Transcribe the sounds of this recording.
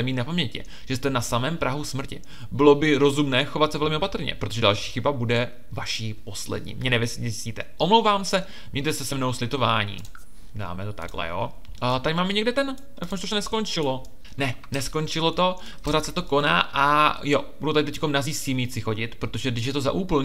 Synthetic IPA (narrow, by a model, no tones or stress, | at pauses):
ɛmiːt̪napamɲɛcɪ̰ | ʒ̥ɛst̪ɛnasamɛːmpɾʔaɦusmr̩cɪ | bɪlo̞bɪɾo̞zumnɛːxo̞vat̪sɛvɛlmɪʔo̞pat̪r̩ɲɛ̰pɾot̪oʒɛda̰lʃiːxɪbabudɛ | vaʃiːpo̞slɛ̰dɲḭːmɲɛnɛvɛsɪɲɛzsciːt̪ɛʔomlowvaːmsɛ | mɲɛɲt̪ɛsɛsɛmno̞wslɪt̪o̞vaːɲḭː | da̰ːmɛt̪o̞t̪a̰ɡlɛ̰jo̰ | t̪acmaːmɪɲɛɡdɛt̪ɛn | jadfamʒɛt̪ouʃt̪onɛskont͡ʃɪlo̞ | nɛ | nɛsko̞nt͡ʃɪlo̞t̪o̞ | po̞ɾaːt̪sɛt̪o̞ko̞na̰ːʔajobudowt̪adɪt̪ɛckomnaziːsimiːt͡sɪxo̞ɟɪt̪pɾot̪o̞ʒɛdɪʃ̬jɛt̪o̞za̰ʔuːpl̩